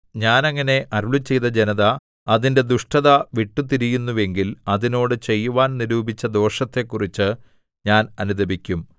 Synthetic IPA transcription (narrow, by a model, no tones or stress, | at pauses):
ɲaːnɐŋːɐne̞ʔɐɾuɭut͡ɕːe̞jt̪ɐd͡ʑenɐðɐ | ɐðinde̞d̪uʂʈɐðɐʋiʈːut̪iɾijunːuʋe̞ŋɡilɐðino̞ːɽɨt͡ɕe̞jːuʋaːnniɾuːbit͡ɕːɐd̪o̞ːʂɐt̪ːe̞kːurit͡ɕːɨ | ɲaːnɐnud̪ɐbikʲːum